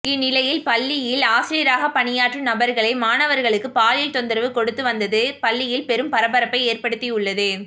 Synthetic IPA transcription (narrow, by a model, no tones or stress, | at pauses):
ɪnːɪlɐjɪlpɐɭːɪjɪlaːsɪɾijɾaːɣɐpɐɳɪjaːʈrɯnɐbɐɾɣɐɭɐɪmaːnɐʋɐɾɣɐɭɯkːɯpaːlɪlt̪ɔnd̪ɪɾɐʋɯkɔɽɯt̪ːɯʋɐnd̪ɐðɯpɐɭːɪjɪlpɛɾɯmpɐɾɐbɐɾɐpːɐɪeːɾpɐɽɯt̪ːiʊɭːɐðɯ